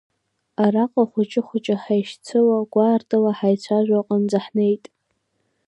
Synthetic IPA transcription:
aɾaqʼaχʷʊt͡ʃʼɪχʷʊt͡ʃʼaħajʃt͡sʰɨwaɡ̥ʷaːrtʰʼalaħajt͡ɕʷʰaʒᶣʷaqʼand͡zaħnejtʼ

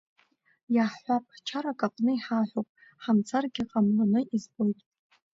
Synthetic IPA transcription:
jaħːʷapʰʼt͡ʃʰaɾakʼaqʼnɨiħaħʷᶣopʼ | ħamt͡sʰarɡʲɪqʼamlanɨizbojtʼ

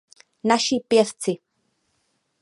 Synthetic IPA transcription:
naʃipjɛft͡sɪ

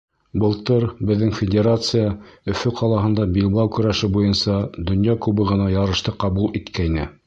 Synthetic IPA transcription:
bɤ̆lˠt̪ɤɾbɘ̆ðːɘŋfʲɪdʲeɾat̪sɨjaɵ̆fɵqʰɑlˠɑɦɤ̆nd̪ɑbilˠbɑwkɵ̆ɾæʃɘbujɤnsɑd̪ɵ̆njɑkʉβɘʁɤ̆nɑjɑɾɤ̆ʃt̪ɤqɑβulˠit̪kæjnɘ

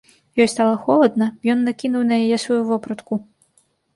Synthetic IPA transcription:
jɔjst̪alˠɐxɔlˠɐd̪nɐjɔnːakʲinuwnɐjajɛsvɐjuvɔpɾɐt̪ku

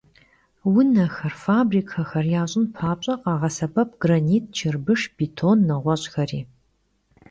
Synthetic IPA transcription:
wʊnɐxɐrfaːbriːkʰɐxɐrjaːɕʼɪnpʰaːpɕʼɐqɑːʁɐsɐbʰɐp̚ʰɡ̥rɐniːt̚ʰt͡ʃʰɪrbɨʂbiːtʰonːɐʁʷɔɕʼxɐriː

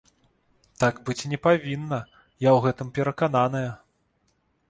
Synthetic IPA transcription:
t̪aɡbɨt͡sʲnʲɛpavʲinːɐ | jawɣɛt̪ɨmpʲɛɾɐkananɐjɐ

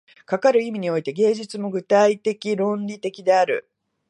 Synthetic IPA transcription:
kakaɾɯ̟imʲiɲ̟io̞it̪e̞ɡe̞ːʑit͡sɨmo̞ɡɯ̟t̪ait̪e̞kʲiɾõ̞nɾʲit̪e̞kʲid̪e̞aɾɯ̟̰

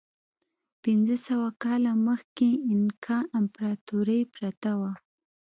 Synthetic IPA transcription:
pɪnzəsawakɑlaməxkeɪnkʰɑnampɾɑt̪uɾəjpɾat̪awa

